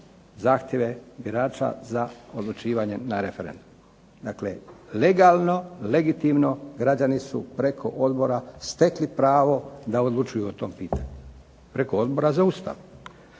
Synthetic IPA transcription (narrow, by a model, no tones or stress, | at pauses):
zaːxt̪je̞ʋe̞biɾaːt͡ʃa̰zao̞d̪lˠut͡ʃiːʋaɲe̞naɾe̞fe̞ɾe̞̰nd̪um | d̪aklḛle̞ɡalˠno̞le̞ɡit̪imno̞ɡɾad͡ʑanisṵpɾe̞kʰo̞ʔo̞d̪bo̞ɾast̪e̞klipɾaːʋo̞d̪ao̞d̪lˠut͡ʃujuot̪o̞ːmpiːt̪aɲu | pɾe̞koo̞d̪bo̞ɾazaust̪a̰ʋu